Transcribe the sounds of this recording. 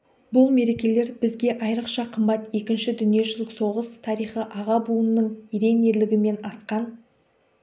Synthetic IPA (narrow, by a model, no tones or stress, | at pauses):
bʊlˠme̞ɾe̞kʲe̞le̞ɾbɪzɡʲe̞ʔɑjɾəqʃɑqʰəmbɑt̪je̞kʲɪnʃɪd̪ʏnije̞ʃɪlɪkso̞ʁəst̪ʰɑɾijχəʔɑʁɑbuənːəɴiɾe̞ne̞ɾlɪɡʲɪme̞nɑsqɑn